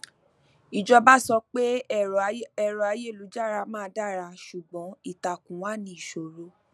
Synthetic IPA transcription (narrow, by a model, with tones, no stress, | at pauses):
i˨d͡ʒɔ˧ba˦sɔ˧k͡pe˦ | ɛ˨ɾɔ˨a˧˦je˦˨lu˨˦d͡ʒa˦˨ɾa˧mãː˦˧˦da˦˨ɾa˧ʃu˨ɡ͡bɔ̃˨˦i˦˨ta˨kũ˨˦wa˦nĩ˧˦i˨ʃo˨ɾo˦